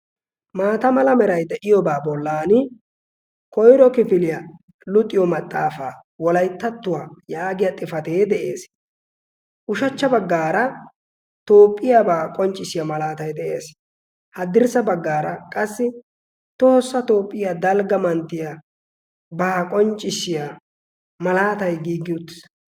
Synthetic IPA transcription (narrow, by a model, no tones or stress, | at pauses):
maːt̪ɐmɐlɐmɛɾɐjd̪ɛʔɪjɔbaːbɔlːaːnɪ | kɔjɾɔkɪfɪlɪjɐ | lʊt̪ʼːɪjɔmɐt̪ʼːaːfaː | wɔlɐjt̪ːɐt̪ːʊwaːjaːɡɪjɐt̪ʼɪfɐt̪eːd̪ɛʔe̞̰ːs | ʔʊʃɐt͡ʃːɐbɐɡːaːɾɐ | t̪o̞ːpʼːɪjabaːkʼɔnt͡ʃʼɪsɪjamɐlaːt̪ɐjd̪ɛʔe̞ːs | hɐd̪ɪɾsɐbɐɡːaːɾɐkʼɐsːɪ | t̪oːsːɐt̪o̞ːpʼːɪjad̪ɐlɡɐmɐnt̪ːɪja | baːkʼɔnt͡ʃʼɪsɪja | mɐlaːt̪ɐjɡiːɡːɪʊt̪ːɪ̥s